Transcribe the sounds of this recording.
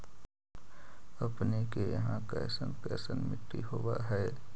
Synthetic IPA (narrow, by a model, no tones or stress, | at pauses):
ɐpnekejəɦãkɛ̰ːsənkɛːsənmɪʈːḭɦoːwaɦɛː